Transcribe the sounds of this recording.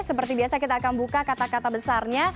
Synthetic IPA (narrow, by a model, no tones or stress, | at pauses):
səpərt̪ibiasakit̪aːkanbukakat̪akat̪abəsarɲa